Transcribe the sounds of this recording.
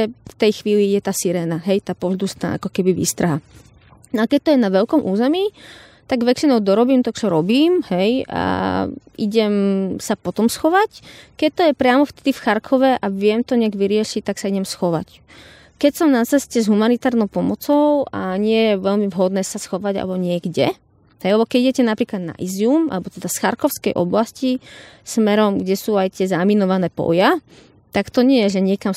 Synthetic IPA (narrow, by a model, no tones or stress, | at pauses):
ɛft̪ɛjxʋiːliiɟɛt̪aːsiɾɛːnaɦɛjt̪aːpɔzd̪ust̪na̰ːʔa̰kɔkɛbiʋḭːst̪ɾaɦa | nɔakɛc̚t̪ɔjɛnaʋɛʎkɔmʔuːzɛmi | t̪aɡʋɛt͡ʃinɔʊd̪ɔɾɔbiːmt̪ɔkt͡ʃɔɾɔbiːmhɛja̰ʔiɟɛmsapɔt̪ɔmsxɔʋackɛc̚t̪ɔjɛpɾɪamɔft̪ɛd̪ifxaɾkʰɔʋɛʔaʋɪɛmt̪ɔɲɛaɡʋiɾɪɛʃic̚t̪aksaiɟɛmsxɔʋa̰c | kɛcsɔmnat͡sɛscɛzɦumanit̪aːɾnɔʊpɔmɔt͡sɔʊʔaɲɪɛjɛʋɛʎmivɦɔd̪nɛːsasxɔʋaɟa̰lɛbɔɲɪɛɡɟɛ | ɦɛjalɛbɔkɛɟiɟɛcɛnapɾiːklad̪na̰ʔiziuma̰lɛbɔt̪ɛd̪asxaɾkɔʊskɛjʔɔblascismɛɾɔmɡɟɛsuːajt̪ɪɛzaminɔʋanɛːpɔ̰ja | t̪akt̪ɔɲɪɛjɛʒɛɲɪɛkam